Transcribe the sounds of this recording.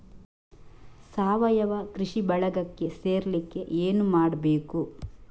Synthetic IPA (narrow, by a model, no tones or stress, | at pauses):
saːʋɐjɐʋɐkɾiʂibɐɭɐɡɐkːe̞se̞ːɾlikːe̞ʔeːnumaːɽɐbeːku